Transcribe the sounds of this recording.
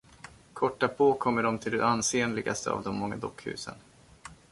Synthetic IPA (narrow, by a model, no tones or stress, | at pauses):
kʰɔʈːapʰoːkʰɔmːəɖɔmt̪ʰɪld̪ɛ̰anseːnlɪɡast̪əa̰vd̪ɔmmːɔŋːad̪ɔkːhʉ̟̰ːsə̰n